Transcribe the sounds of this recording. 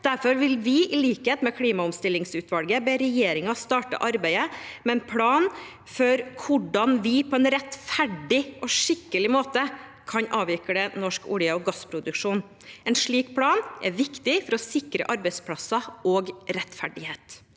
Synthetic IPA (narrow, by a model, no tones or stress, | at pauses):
d̪̥æɾfɔɾʋɪlʋɪʔɪliːkəheːt̪mɛkʰɽiːmɑʊmst̪ɪlːɪŋsʉːt̪ʋɑlɡəbeːɾɛjeːɾɪŋɑst̪ɑːʈə̰ʔɑɾbæɪəmɛɛnpʰɽɑːn | fɔɾkʰʊɖɑnʋɪpʰɔɛnɾɛt̪fæɖɪʔɔʂɪkːəlɪmoːt̪ə | kʰɑɲʔɑːʋɪkəɽɛnɔʂkṵːlɪəɔɡɑspʰɾʊd̪ʉkʂuːn | ɛnʂɭiːkpʰɽɑːnʔɛ̰ɾʋɪkt̪ɪfɔɾɔsɪkɾə̰ʔɑɾbæɪspʰɽɑsɑɔɡɾɛt̪fæɖɪheːt̪